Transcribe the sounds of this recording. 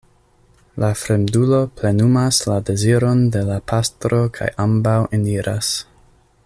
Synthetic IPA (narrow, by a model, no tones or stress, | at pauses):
lafɾe̞mdulo̞ple̞numaslade̞ziɾo̞nde̞lapʰastɾo̞kʰa̰jʔambawʔiniɾʔa̰s